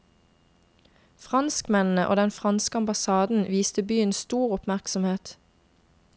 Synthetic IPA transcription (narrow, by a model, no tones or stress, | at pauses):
fʁɑnskmɛnn̩əʔo̰ːd̪ɛnfʁɑnskəɑmbɑsɑːd̪n̩ʋiːst̪əbyːənst̪uːʁʊpmæʁksɔmheːt̪